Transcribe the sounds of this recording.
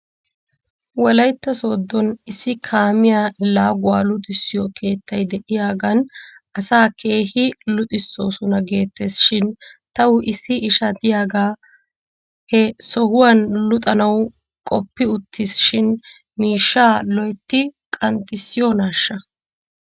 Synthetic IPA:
wlɐjt̪ːɐso̞ːd̪ːɔnɪsːɪkʰaːmɪjalaːɡʊwaːlʊt̪ʼɪsːɪjɔkʰe̞ːt̪ʰːɐjd̪ɛʔɪjaːɡɐn | ʔɐsaːkʰe̞ːhɪlʊt̪ʼɪsːo̞ːsʊnɐɡe̞ːt̪ːesʃɪnt̪ɐwʊʔɪsːɪʔɪʃɐd̪ɪjaːɡaː | hɛsɔhʊwɐnlʊt̪ʼɐnɐw | kʼɔpːɪʊt̪ʰːɪsʃɪn | miːʃːaːlɔjt̪ːɪkʼɐnt̪ʼːɪsːɪjɔnaːʃːɐ

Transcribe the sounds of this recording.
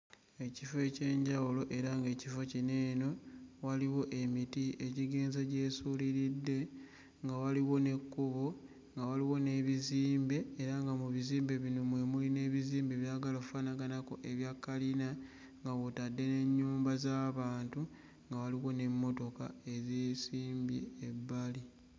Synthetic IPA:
e̞cifoe̞ce̞ːɲɟawulo̞ʔe̞ɾaŋɡe̞ːcifo̞cine̞ːno̞waliwo̞ʔe̞mitieciɡeːnzeɟe̞ːsuliɾidːe̞ | ŋɡawaliwo̞ne̞kːuβo̞ | ŋɡawaliwo̞ne̞βiziːmbe̞ːɾaŋɡamuβiziːmbe̞βino̞mwe̞muline̞ːβiziːmbe̞βjaɡalokufanaɡanakoʔe̞βjakːalina | ŋɡawotadːe̞ne̞ɲːuːmbazaːβaːntu | ŋɡawaliwo̞ne̞mːo̞to̞ka̰e̞zeːsiːmbjḛːbːali

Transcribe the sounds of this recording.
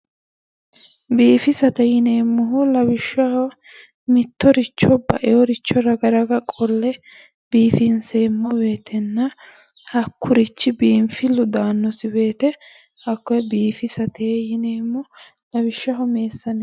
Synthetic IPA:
biːfɪsɐt̪ɐjɪneːmːʊɦʊlɐwɪʃːɐhɔ | mɪt̪ːɔɾɪt͡ʃːɔbɐ̰ʔɛɔɾɪt͡ʃːɔɾɐɡɐɾɐɡɐkʼɔlːɛ | b̥iːfɪnseːmːɔbe̞ːt̪ʰɛnːɐ | hɐkʰːʊɾɪt͡ʃːɪbiːmfɪlːʊd̪aːnːɔsɪbe̞ːt̪ɛ | hɐkːɔbiːfɪsɐt̪eːjɪneːmːʊ | lɐwɪʃːɐɦɔme̞ːsːɐnɪ

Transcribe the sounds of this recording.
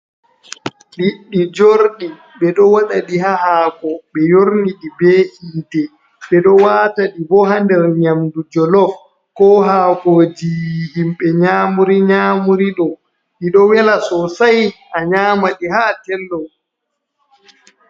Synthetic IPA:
ɗiɗːid͡ʒoɾɗi | ɓɛɗɔwaɗaɗiɦahaːkɔɓɛjoɾniɗibeːʔiːtɛ | ɓɛɗɔwaːtaɗibɔɦandɛɾɲamdud͡ʒɔlɔf | kɔɦaːkoːd͡ʒihimɓɛɲaːmuɾiɲaːmuɾiɗɔ | ɗiɗɔwɛlasɔsajʔaɲaːmaɗiɦaːtɛlːɔ

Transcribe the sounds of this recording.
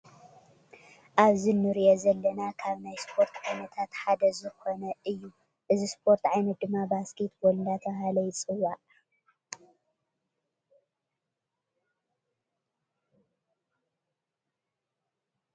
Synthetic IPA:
ʔaβzinɨɾiʔozɐlːɐnakʰaβnajspʰo̞ɾt̪ʕajnɐt̪ʰat̪ħad̪ɐzɨkʰo̞nɐʔɨjːu | ʔɨzispʰo̞ɾt̪ʕajnɐt̪̚d̪ɨmːabasket̪bold̪at̪ʰɐbahalɐjt͡sʼɨwaʔ

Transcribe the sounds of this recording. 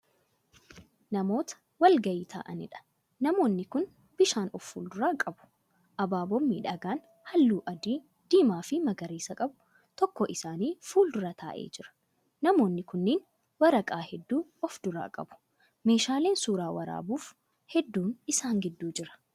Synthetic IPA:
nɐmo̞ːt̪ɐ̥ | wɐlɡɐiːt̪ʰa̰ːʔɐnɪ̰ᶑɐ̥ | nɐmo̞ːnːɪkʊn | bɪʃaːnɔfːṵːld̪ʊɾaːkʼɐbʊ̥ | ʔɐbaːbɔmːḭːᶑɐɡaːn | hɐlːuːʔɐd̪iː | d̪̥iːmaːfɪmɐɡɐɾiːsɐkʼɐbʊ | t̪ɔkːɔʔɪsaːniːfuːld̪ʊɾɐt̪ʰa̰ːʔḛːd͡ʒɪɾɐ̥ | nɐmo̞ːnːɪkʊnːeːn | wɐɾɐkʼaːhɛd̪ːuːɔfd̪ʊɾa̰ːkʼɐbʊ̥ | me̞ːʃaːle̞ːnsuːɾaːwɐɾa̰ːbuːf | hɛd̪ːuːnɪsaːŋɡɪd̪ːuːd͡ʒɪɾɐ̥

